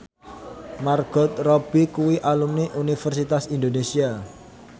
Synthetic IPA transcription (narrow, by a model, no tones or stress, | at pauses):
marɡ̥ɔt̪̚rɔb̥ikuwiʔalumniʔunifərsit̪asind̪onesia